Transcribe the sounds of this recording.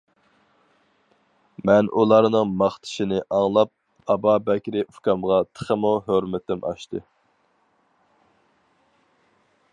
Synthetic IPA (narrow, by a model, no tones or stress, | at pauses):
mɛnʔulˠɑɾnɨŋmɑχt̪ʰɪ̥ʃɪnɪʔɑŋlˠɑp̚ | ɑbɑbɛkʲɾɪʔufkɑmʁɑt̪ʰə̥χəmoɦøɾmɪt̪ɪmʔɑ̰ʃt̪ʰɨ